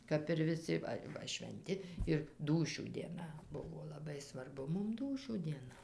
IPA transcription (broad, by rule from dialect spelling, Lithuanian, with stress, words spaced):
kɐp ɪr ʋʲɪˈsʲɪ ˈʋɐ ˈʋɐ ʃʲʋʲɛnʲˈtʲɪ ɪr ˈduːʃʲuː dʲiɛˈnɐ ˈbʊʋoː lˠɐˈbɐɪ sʋɐrˈbʊ ˈmʊm ˈduːʃʲuː dʲiɛˈnɐ